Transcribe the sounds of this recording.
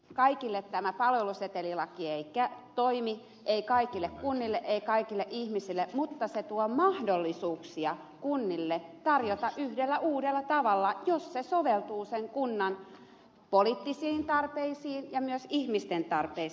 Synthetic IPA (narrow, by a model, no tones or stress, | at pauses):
kɑikilːet̪t̪æmæpɑlʋeluset̪elilɑkieikːæt̪oimi | eikɑikilːekkunːilːeʔeikɑikilːeʔihmisilːemut̪ːɑset̪uɔmɑhdolːisuːksiɑ | kunːilːet̪ɑrjot̪ɑʔyhdelːæʔuːdelːɑt̪ɑʋɑlːɑjossesoʋelt̪uːseŋkunːɑn | polit̪ːisiːnt̪ɑrpeisiːnjɑmyøsihmist̪ent̪ɑrpei